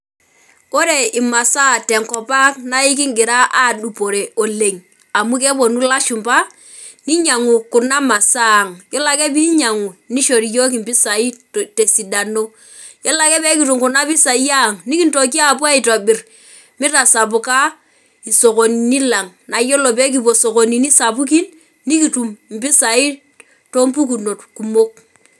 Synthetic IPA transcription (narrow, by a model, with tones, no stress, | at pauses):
o˦ɾe˦˨i˨ma˨sa˦˨tɛ˨ŋkɔ˨pa˦kna˦i˦k̬i˦ŋɡɪ˨ɾa˦ʔa˦˨ɗu˨po˨ɾe˨o˨le˨ŋ | a˨mu˦k̬e˦bo˨nu˦la˦ʃu˨mpa˦ | ni˦ɲa˨ŋu˨ku˨ɾna˦ma˨sa˦˨ŋjɔ˦la˦ke˦bi˦ɲa˨ŋu˨ni˦ʃo˨ɾi˨jo˦k̬i˨mpi˦sa˨i˦ | te˨si˨da˨no˦ | jɔ˦la˨˦kɛ˦bɛ˦ki˨tu˨ŋkʊ˨na˦bi˦sa˨˦ja˦˨ŋni˦ki˦ntɔ˨k̬i˦a˦˨p̬wa˦i˨tɔ˨bɪ˨r | mɪ˦ta˨sa˨pu˨ka˦ | i˨so˨ko˨ni˨ni˦la˨ŋna˨jɔ˦lɔ˨p̬ɛ˦k̬i˨bo˨so˨ko˨ni˨ni˦sa˨p̬u˦k̬i˦n | ni˦ki˨tu˨mm̩˨bi˦sa˨i˦ | to˦mpu˦k̬u˨no˨tku˨mo˦k̚